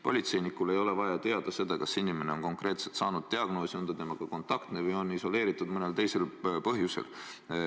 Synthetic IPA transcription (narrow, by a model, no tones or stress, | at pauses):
po̞lʲit̪se̞jnikule̞jo̞le̞vɑjɑt̪e̞ɑd̪̥ɑse̞d̪̥ɑkɑsːinime̞ne̞o̞nko̞ŋkre̞ːt̪se̞lt̪sɑːnud̪̥̚t̪eɑɡ̥no̞ːsiund̪ɑt̪e̞mɑɡ̥ɑko̞nt̪ːˑɑkt̪nevɯjo̞nːiso̞leːɾit̪ːˑud̪mɤne̞lt̪e̞jse̞lpɤɦjusḛl